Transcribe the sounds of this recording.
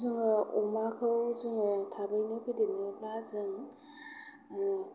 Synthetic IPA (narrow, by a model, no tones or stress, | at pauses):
zɯŋɔmakʰɯwzɯŋɯtʰabajnɯpʰidenɯblazɯŋ